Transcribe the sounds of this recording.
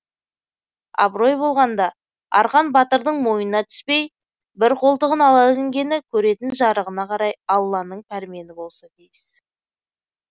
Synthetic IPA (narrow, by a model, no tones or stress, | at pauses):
ɑ̰bɾo̞jbo̞lˠʁɑnd̪ɑ | ɑ̰ɾqɑnbɑt̪əɾd̪əɴmo̞jənɑt̪ʰʏ̥spe̞j | bɪɾqʰo̞lˠt̪əʁənɑlˠɑlɪŋɡʲe̞nɪkʲʰɵɾe̞t̪ɪnʒɑɾəʁənɑqʰɑɾɑjɑlˠːɑnəɴpʰæɾme̞nɪbo̞lˠsɑt̪ijɪs